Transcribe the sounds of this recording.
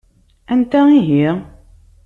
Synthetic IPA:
ænt̪æiɦiʁ

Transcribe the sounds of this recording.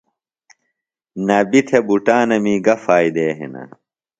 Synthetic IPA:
nɐbit̪ʰebuʈaːnɐmiːɡɐfaːjd̪eːɦḭnɐ̰

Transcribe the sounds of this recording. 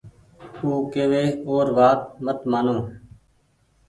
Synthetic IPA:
uːkeːʋeːoːɾʋaːt̪mət̪maːnõː

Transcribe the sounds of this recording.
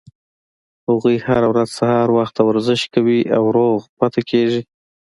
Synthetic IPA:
haɣujhaɾawɾaz̥sahɑɾwaxt̪ːawaɾzɪʃtkawiawɾoɣpat̪akʰeʒi

